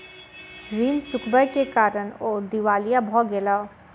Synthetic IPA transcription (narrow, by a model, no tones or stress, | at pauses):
ɾiːnt͡ʃʊkbəjkekaːɾənoːd̪iʋaːlijabʱɔːɡelaː